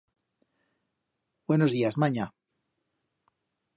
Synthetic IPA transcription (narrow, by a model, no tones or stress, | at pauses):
b̥we̞nozðiazmaɲa